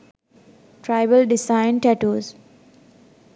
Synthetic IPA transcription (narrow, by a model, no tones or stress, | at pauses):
ʈɾaɪʋəlɖɪsãɪ̃nʈɛʈuːz